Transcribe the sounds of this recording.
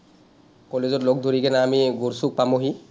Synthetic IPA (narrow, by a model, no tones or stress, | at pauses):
kɔlezɔtlok̚d̪ʱoɹikɛnaːmiɡuɹsuk̚pamoɦi